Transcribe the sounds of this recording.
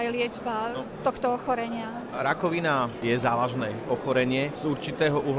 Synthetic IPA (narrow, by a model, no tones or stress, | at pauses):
ajlɪɛd͡ʒbat̪ɔxt̪ɔɔxɔɾɛɲɪa | ɾakɔʋinajɛzaːʋaʒnɛːɔxɔɾɛɲɪɛzuɾt͡ʃit̪ɛːɦɔʔuɦ